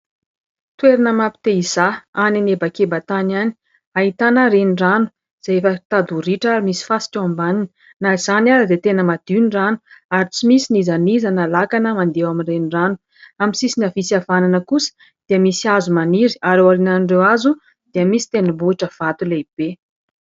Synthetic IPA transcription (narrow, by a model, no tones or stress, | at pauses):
t̪weɾinəmapi̥t̪eiz̥aaninebakebat̪anani̥ | aɦit̪anəɾeniranu̥ | z̥eefət̪ad̪uɾiʈ͡ʂaɾimisi̥fasi̥kʲoambaninə | naiz̥anaɾad̪et̪enəmad̪̥iniranuaɾit͡simisinizanizanalakanəmand̪ewaminreniranu̥ | amisisinavisiavananəkusə̥ | d̪̥iəmisiazumaniɾi̥aɾewaɾinanirewazu | d̪̥iəmisi̥t̪enəbuiʈ͡ʂəv̥at̪uleib̥e